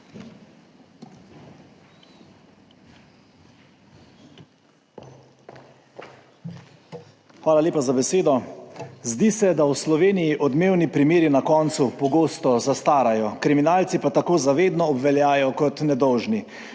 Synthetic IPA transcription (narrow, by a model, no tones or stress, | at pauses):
xʋaːlaljeːpazabɛseːd̪ɔzd̪isɛd̪awslɔʋeːnijiʔɔd̪meːwnipɾimeːɾinakɔːnt̪supɔɡoːst̪ɔzast̪aːɾajɔkɾiminalt̪sipat̪akoːzaʋeːd̪nɔːbʋɛljaːjɔkɔt̪nɛd̪ɔwʒni